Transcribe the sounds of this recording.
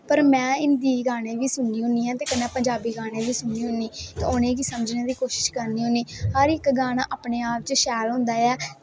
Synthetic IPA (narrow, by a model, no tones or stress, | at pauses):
pəɾmɛ̃ːɪnd̪iːɡaːɽeːʋiːsʊɳiːɦʊ̃nd̪iːɛ̃ːt̪eːkənãːpəɲd͡ʒaːbiːɡaːɽ̃eːʋiːsʊɳːiːɦʊniːt̪o̰ːʊnẽːkiːsəməd͡ʒneːd̪iːkoːʃɪ̥ʃkəɾniːɦʊ̃niːhəɾɪkɡaːñaːʔaːpɳeːaːp̚t͡ʃəʃɛːlɦʊ̃nd̪aːɛː